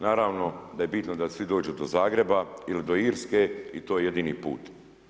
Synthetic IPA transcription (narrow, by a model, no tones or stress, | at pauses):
naːɾaːʋno̞d̪ajebit̪nod̪asʋid̪o̞ːd͡ʒud̪ozaːɡɾe̞bailid̪o̞iːɾske̞it̪o̞ːjeje̞d̪iːniːpṵːt̪